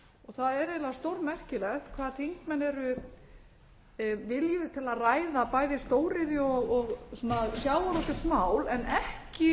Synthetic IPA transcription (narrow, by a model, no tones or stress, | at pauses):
ɔɣθaðɛɾejlaðast̪owɾmɛr̥cɪlɛxt̪kʰvaːðθiŋkmɛnːɛɾʏ | vɪljʏt̪ʰɪlaðraːjðapaːjðɪst̪oːwɾɪðjʏɔɣɔɣsuːnasjaːwvalɔt̪ɪsmaːwlɛnɛhcɪ